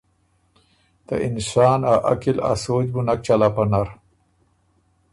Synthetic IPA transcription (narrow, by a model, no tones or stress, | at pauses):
t̪a̰ʔɪnsɑːnaʔa̰kila̰soːd͡ʑbunak̚t͡ʃalapanaɾ